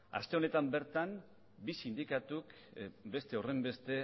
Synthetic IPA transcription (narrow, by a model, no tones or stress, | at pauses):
a̰st̪e̞o̞ne̞t̪ambe̞ɾt̪an | bisind̪ikat̪uk | be̞st̪eore̞mbe̞st̪e̞